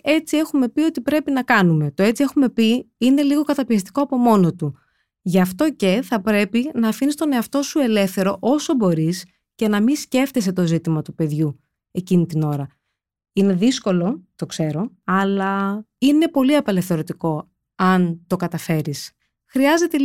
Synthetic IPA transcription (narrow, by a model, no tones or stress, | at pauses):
e̞t͡sie̞xume̞pio̞t̪ipɾe̞pinɐkɐnume̞t̪o̞e̞t͡sie̞xume̞piine̞liɣo̞kɐt̪ɐpiɐst̪i̥ko̞ɐpo̞mo̞no̞t̪u | ʝɐft̪o̞ce̞θɐpɾe̞pinɐːfinist̪o̞ne̞ɐft̪o̞sue̞le̞fθe̞ɾo̞ʔo̞so̞bo̞ɾis | ce̞nɐmisce̞ft̪es̬e̞t̪ozit̪imɐt̪upe̞ðʝu | e̞cinit̪ino̞ɾɐ | ine̞ðisko̞lo̞t̪o̞kse̞ɾo̞ɐlɐine̞po̞liɐpele̞fθeɾo̞t̪iko̞ | ɐnt̪o̞kɐt̪ɐfe̞ɾis | xɾiɐze̞t̪e